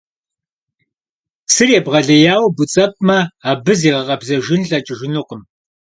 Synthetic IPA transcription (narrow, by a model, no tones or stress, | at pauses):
sɨrjɛbʁɐɮɐjaːwbʊt͡sʼɐp̚ʼmɐaːbɨziːʁɐqʼɐbzɐʒɪnɬʼɐt͡ʃʼɪʒɪnɨqəm